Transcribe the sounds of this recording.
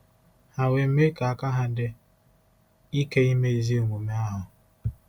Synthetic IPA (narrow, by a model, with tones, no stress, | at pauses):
ha˨we˨m̩˦me˦ka˨a˨ka˦ɦa˨dɪ˦ | i˦ke˦i˦me˦i˨zi˦o˨ŋʷu˨me˦a˦ɦʊ˨